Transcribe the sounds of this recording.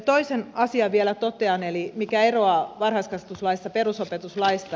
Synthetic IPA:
t̪oisenɑsiɑʋielæt̪ot̪eɑnelimikæeroɑʋɑnhɑskɑst̪uslɑist̪ɑperusopet̪uslɑist̪ɑ

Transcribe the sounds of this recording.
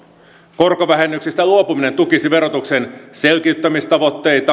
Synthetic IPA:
ko̞rkoʋæɦe̞nːyksist̪æluo̞pumine̞nt̪ukisiʋe̞ɾo̞t̪uksense̞lk̟iyt̪ːæmist̪ɑʋo̞t̪ːe̞jt̪ɑ

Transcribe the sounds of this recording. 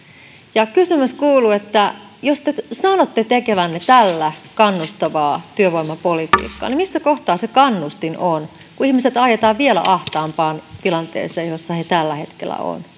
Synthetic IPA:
jɑkysymyskuːluet̪ːæ | jost̪esɑnot̪ːet̪ekeʋænːet̪ælːækɑnːust̪ɑʋɑːt̪yøʋoimːɑpolit̪ḭːkːɑ̰ːnimisːækoht̪ɑːsekɑnːust̪inon | kuihmiset̪ɑjet̪ɑːʋʋielæ̰ʔɑht̪ɑːmpɑːnt̪ilɑnt̪ḛːseːjjosːɑhet̪ælːæhe̞t̪kḛlːæ̰o̰n

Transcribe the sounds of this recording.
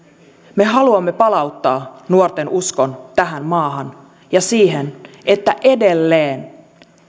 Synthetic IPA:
me̞ɦɑluɑmːe̞pɑlɑut̪ːɑːnuort̪e̞nuskont̪æɦæmmɑːɦɑn | jɑsiːɦene̞t̪ːæʔe̞de̞lːeːn

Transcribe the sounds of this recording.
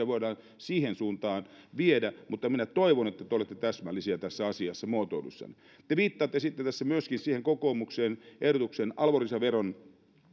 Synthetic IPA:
æʋoidɑːn | siːhensuːnt̪ɑːn | ʋiedæmut̪ːɑminæt̪oiʋonet̪ːæt̪eolet̪ːet̪æsmælːisiɑt̪æsːæɑsiɑsːæmuot̪o̰ulṵsːɑ̰ni | t̪eʋiːt̪ːɑːt̪ːesit̪ːet̪æsːæmyøskinsiːheŋkokoːmukseːnʔehdot̪uksenɑlʋorisɑʋeron

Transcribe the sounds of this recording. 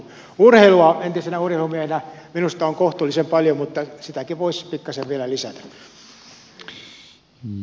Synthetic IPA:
urheiluɑent̪isenæurhelumiæhenæminust̪ɑoŋkoht̪ulːˑisempɑljomut̪ːɑsit̪ækiʋoispikːɑseʋʋiælælisæ̰t̪æ̥

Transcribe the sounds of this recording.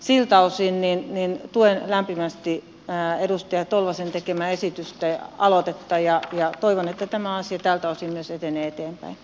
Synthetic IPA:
silt̪ɑusinninnint̪uenlæmpimæst̪i | edust̪ɑjɑt̪olʋɑsent̪ekemæesit̪yst̪æɑlot̪et̪ːɑjɑjɑt̪oiʋonet̪ːæt̪æmæɑsiɑt̪æːlt̪ɑusimyøset̪eneːet̪eːmpæ̰in

